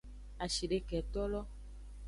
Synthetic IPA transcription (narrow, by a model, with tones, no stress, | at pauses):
a˨ʃi˨ɖe˦kɛ˨t̪ɔ˦lɔ˦